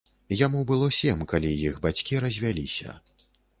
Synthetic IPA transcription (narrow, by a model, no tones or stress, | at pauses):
jamubɨlˠɔsʲɛmkalʲijixbat͡sʲkʲiɾɐzʲvʲalʲisʲɐ̰